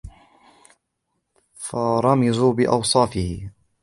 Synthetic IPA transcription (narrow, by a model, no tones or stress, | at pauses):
fɑɾˤɑmɪzuːbɪʔɑwsˤɑːfɪhɪ